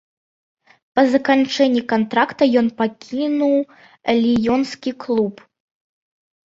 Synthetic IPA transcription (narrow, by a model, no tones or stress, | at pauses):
pɐzɐkant͡ʂɛnʲːikant̪ɾakt̪ɐjɔnpakʲʰinuw | lʲijɔnskʲiklˠup